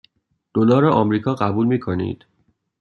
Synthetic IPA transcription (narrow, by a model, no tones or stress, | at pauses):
d̪̥olɒːɾeʔɒmɾiːkʰɒːɢæbuːlmiːkʰo̞nḭd̪̥